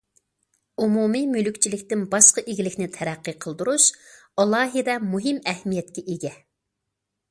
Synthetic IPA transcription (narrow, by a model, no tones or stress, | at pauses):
umumimylykʲt͡ʃʰilɪkʲt̪ɪnbɑʃqɑʔeɡʲilɪkʲnɪt̪ʰɛɾæqːɨqʰəlˠd̪uɾuʃ | ɑlˠɑːɦɨd̪ɛmuɦɪmɛhmijɛt̪̚kʲɛʔeɡʲɛ